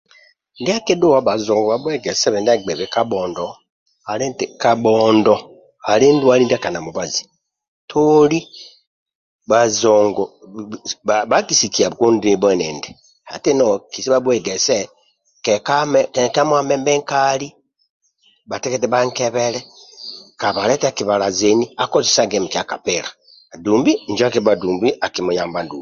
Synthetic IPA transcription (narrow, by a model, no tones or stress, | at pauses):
ndiakeduwaβazoːŋɡoβaβweɡeseβendaɡ͡beβekaboːndo | haletekaboːndo | alendwalindakanamuβazi̥ | tʰoli | βazoŋɡo | aβakisikiaβukundiibwenende | ha̰tenokisiβaβweɡese | kekamkekamwamembeŋkali | bateketeβaŋkeβele | kaβaletekiβalazeniakozisaɡemikiakapeɾa | duːmbiɲd͡ʒakiβaduːmbiʔakimujaːmbanduːbi